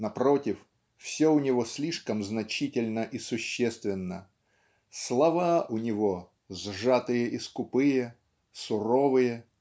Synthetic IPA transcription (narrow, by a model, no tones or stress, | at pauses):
nɐpɾotʲɪf | fsʲoʊnʲɪvosʲlʲiʂkəmznɐt͡ɕitʲɪlʲnəʔisʊɕːest̪vʲɪnːə | slˠɐvaʔʊnʲɪvo | zʐat̪ɨjəʔɪskʊpɨjə | sʊro̞vɨjə